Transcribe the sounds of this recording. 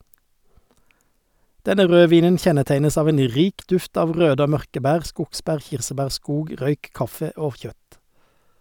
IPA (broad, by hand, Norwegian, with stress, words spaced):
ˈdɛnə ˈʁøːˌʋiːnən ˈçɛnəˌtæɪnəs ˈɑːʋ ˈeːn ˈʁiːk ˈdʉft ˈɑːʋ ˈʁøːdə ˈoː ˈmœʁkə ˈbæːʁ ˈskʊɡˌsbæːʁ ˈçɪʁsəˌbæːʁ ˈskuːɡ ˈʁœʏk ˈkɑfə ˈoː ˈçœt